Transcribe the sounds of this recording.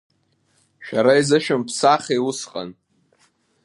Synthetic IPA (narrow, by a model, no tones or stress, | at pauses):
ʃᶣaɾaizɨʃᶣʊmpʰsaχeusqʼa̰n